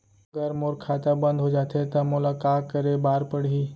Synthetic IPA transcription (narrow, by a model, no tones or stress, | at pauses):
əɡəɾmoːɾkʰat̪əbə̃nd̪ʱɦod͡ʒaːt̪ʰet̪ɐmʊlakakəɾebaːɾpəɽɦiː